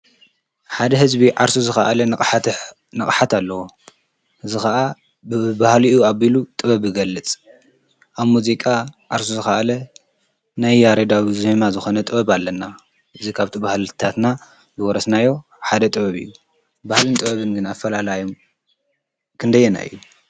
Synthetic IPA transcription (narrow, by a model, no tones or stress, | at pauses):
ħad̪ɐɦɨzbiʕaɾsuzɨxa̰ʔlɐ | nɐkʼħat̪ʰalːɐwo | ʔɨzɨxɐʔa | bɨbahliuaβilut̪ʼɨβɐβɨɡɐlːɨt͡sʼ | ʔaβmuzikʼaʕaɾsuzɨxaʔlɐ | najːaɾed̪awizemazɨxonɐt̪ʼɨβɐβalːɐnːa | ɨzikʰaβt̪ʰibahlɨt̪ʰat̪na | zɨwɔɾɐsnajːo̞ | ħad̪ɐt̪ʼɨβɐβɨ̰jːu | bahlɨnt̪ʼɨβɐβɨnɡɨnafːɐlalajum | kʰɨnd̪ɐjːɛna̰ɨ̰jːu